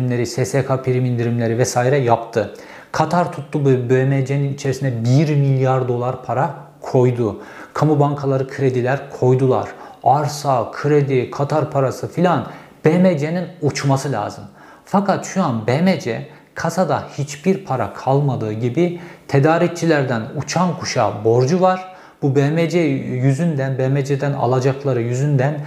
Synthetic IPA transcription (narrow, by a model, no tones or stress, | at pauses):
mlʲe̞ɾisɛsekʰapʰiɾimind̪iɾimlʲe̞ɾivɛsaːiɾɛjapt̪ʰɯ | kʰat̪ʰaɾt̪ʰut̪lˠububemed͡ʒeninit͡ʃʰe̞ɾisinɛbiɾmilʲjaɾd̪o̞lˠaɾpʰaɾa | kʰo̞jd̪ukʰamubaŋkʰalˠaɾɯkʰɯɾe̞d̪ilʲæɾkʰo̞jd̪ulˠa̰ɾ̥aɾsakʰɯɾed̪ikʰat̪ʰaɾpʰaɾasɯfilʲan | b̥emed͡ʒeninut͡ʃʰmasɯlʲa̰ːzɯm | fakʰat̪ʃujanbemed͡ʒɛ | kʰasad̪ahit͡ʃbiɾpʰaɾa̰kʰalˠmad̪ɯːɟibit̪ʰed̪aːɾic̚t͡ʃʰilʲæɾd̪ænut͡ʃʰankʰuʃabo̞ɾd͡ʒuvaɾ̥ | b̥ubemed͡ʒɛjyzynd̪ænbemed͡ʒed̪æna̰lˠad͡ʒaklˠaɾɯjyzynd̪æn